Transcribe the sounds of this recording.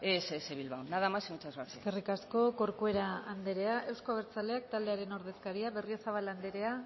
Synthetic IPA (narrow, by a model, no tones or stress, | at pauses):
eseeβilβawnaðamasiŋut͡ʃazβaɾeske̞rikasko̞ko̞ɾkoe̞ɾaand̪eɾe̞aʔe̞wskoaβ̞eɾt͡sale̞ak̚t̪ald̪e̞aɾe̞no̞ɾðe̞skaɾiaβe̞riosaβ̞aland̪e̞ɾe̞a